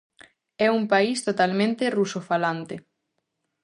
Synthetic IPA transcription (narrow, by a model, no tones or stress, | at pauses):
ɛuŋpaist̪ot̪almẽnt̪erusofalant̪e